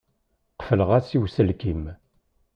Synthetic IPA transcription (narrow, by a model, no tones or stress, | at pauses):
qə̥fələʁasiwsəlkim